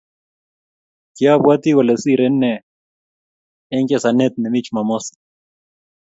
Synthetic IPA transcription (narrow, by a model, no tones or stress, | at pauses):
kiabwat̪iwɔlesiɾɛnːɛ | ɛŋkɛsanet̪̚nɛmit͡ʃmamosḁ